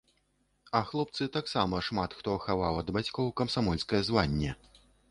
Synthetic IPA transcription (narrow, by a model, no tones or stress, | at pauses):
ɐxlˠɔp̚t̪sɨt̪aksamɐʂmat̪xt̪ɔxavawɐd̪bat͡sʲkɔwkɐmsamɔlʲskɐjɐzvanʲːɛ